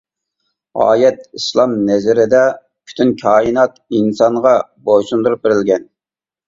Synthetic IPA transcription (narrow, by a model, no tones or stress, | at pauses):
ɑ̰ːjɛt̪̚islˠɑmnɛzɪɾɪd̪ɛ | kʲʰy̥t̪ʰynkʲʰɑːinɑt̪insɑɴʁɑboʃund̪uɾup̚bɪɾɪlɡʲɛn